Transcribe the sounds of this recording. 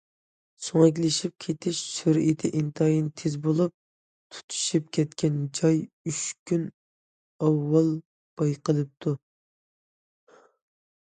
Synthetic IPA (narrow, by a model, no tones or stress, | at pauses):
soŋɛk̬ʲlɪʃip̚kʲʰet̪ʰɪʃsuɾit̪ʰɪʔint̪ʰɑjint̪ʰezbolˠup̚ | t̪ʰu̥t̪ʰu̥ʃip̚kʲʰɛt̪kʲɛnd͡ʒɑj | yʃkʲʰyn | ɑwːɑlˠ | b̥ɑjqəlˠɨp̚t̪ʰu